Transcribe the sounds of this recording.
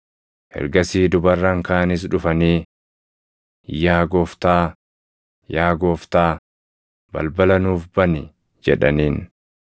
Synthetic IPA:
hɛ̰ɾɡɐsiːd̪ʊbɐrːɐŋkaːnɪs̬ᶑʊfɐniː | jaːɡoːft̪aː | jaːɡoːft̪aː | bɐ̰lbɐlɐnuːfbɐnɪ | d͡ʒɛ̰ᶑɐ̰niːn

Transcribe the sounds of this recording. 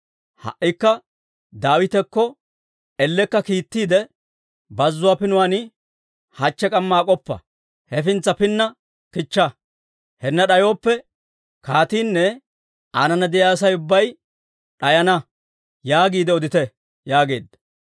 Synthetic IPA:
hɐ̰ʔːɪkːɐ | d̪aːwɪt̪ɛkːɔ | ɛlːɛkːɐkiːt̪ːiːd̪ɛ | bɐzːʊwaːpɪnʊwanɪ | hɐt͡ʃːɛkʼɐmːaːkʼɔpːɐ̰ | hɛfɪnt͡sːɐpɪnːɐ | kɪt͡ʃːɐ | hɛnːɐɗɐjo̞ːpːɛ | kaːt̪iːnːɛ | anɐnɐd̪ɪjaːsɐjʊbːɐj | ɗɐjɐnɐ | jaːɡiːd̪ɛɔd̪ɪt̪ɛ | jaːɡe̞̰ːd̪ːɐ̥

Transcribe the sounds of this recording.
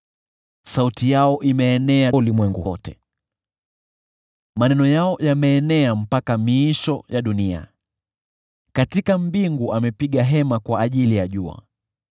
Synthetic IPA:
sautijaɔʔimɛːnɛalimwɛŋɡuɔtɛ | manɛnɔjaɔjamɛːnɛam̩pakamiʃɔjaɗunia̰ | katikam̩biŋɡuʔamɛpiɠaɦɛmakwaːʄilijaʄua̰

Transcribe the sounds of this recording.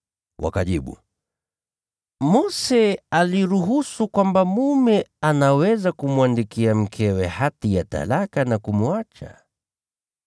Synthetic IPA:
wʔa̰kaʄiɓṵ | mɔsɛaliɾuɦusukwambamumɛanawɛzakumuandikiam̩kʰɛwɛhatijata̰lakanakumuat͡ʃa̰

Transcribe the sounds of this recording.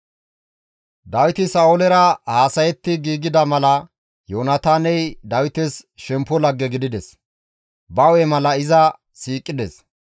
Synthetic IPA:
d̪ɐwɪt̪ɪsaːʔʊlɛɾɐhaːsɐjɛt̪ːɪɡiːɡɪd̪ɐmɐlɐ | joːnɐt̪aːnɛjd̪ɐwɪt̪ɛsʃɛmpːɔlɐɡːɛɡɪd̪ɪd̪ɛs | bɐwɛmɐlɐɪzɐ | siːkʼːɪd̪ɛs

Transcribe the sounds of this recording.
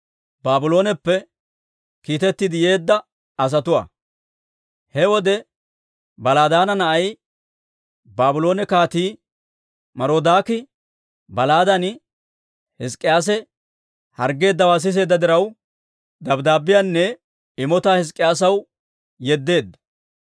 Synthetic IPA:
baːbʊlo̞ːnɛpːɛ | kiːt̪ɛt̪ːɪd̪ɪje̞ːd̪ːɐ | ɐs̬ɐt̪ʊwa̰ː | hɛwɔd̪ɛ | bɐlaːd̪aːnɐnɐʔɐj | baːbʊlo̞ːnɛkaːt̪iː | mɐɾoːd̪aːkɪ | bɐlaːd̪ɐn | hɛskʼːɪjaːs̬ɛ | hɐɾɡe̞ːd̪ːɐwaːs̬ɪs̬e̞ːd̪ːɐd̪ɪɾɐw | d̪ɐbd̪aːbɪjanːɛ | ɪmɔt̪aːhɪs̬kʼːɪjaːs̬ɐw | jɛd̪ːe̞ːd̪ːɐ̥

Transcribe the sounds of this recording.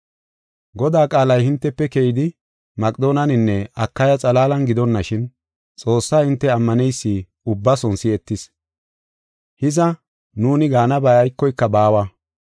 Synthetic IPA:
ɡɔd̪aːkʼaːlɐjhɪnt̪ːɛpːɛkɛjɪd̪ɪ | mɐkʼd̪o̞ːnɐnɪnːɛɐkːɐjɐt͡sʼɐlaːlɐnɡɪd̪ɔnːɐʃɪn | t͡sʼo̞ːsːaːhɪnt̪ːɛɐmːɐnɛjsːiː | ʊbːɐsɔnsɪɛt̪ːɪs | hɪzɐ | nuːnɪɡaːnɐbɐjɐjkːɔjkːɐbaːwɐ

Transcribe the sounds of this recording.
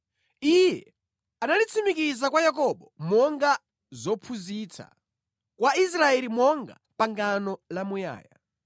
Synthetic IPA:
ijɛ | analit͡sʰimikizakwajakɔɓɔmɔŋɡa | zɔpʰuzit͡sʰa̰ | kwais̬ɾaɛlimɔŋɡa̰ | paŋɡanɔlamuja̰ːja̰

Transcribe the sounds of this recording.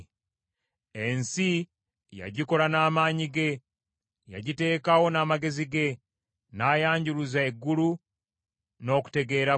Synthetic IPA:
ensi | ja̰ɟiko̞ɾanaːmaːɲiɡe̞ | ja̰ɟite̞ːkawo̞naːmaɡe̞ziɡe̞ | naːjaːɲɟuɾuzaeɡːulu | no̞ːku̥te̞ɡe̞ːɾa

